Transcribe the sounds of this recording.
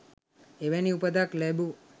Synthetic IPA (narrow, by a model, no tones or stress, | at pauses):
eʋɛniupəd̪aklɛbu